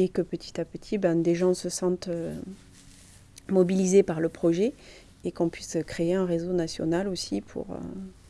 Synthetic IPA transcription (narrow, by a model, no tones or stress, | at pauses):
ekəpət̪ʰi̥t̪apət̪ʰibɛ̃d̪eʒɑ̃səsɑ̃t̪ø | mɔbilizepaʁləpχɔʒɛ | ekɔ̃pɥiskχeeɛ̃ʁezonasjɔ̰nalosipʰṵʁø̰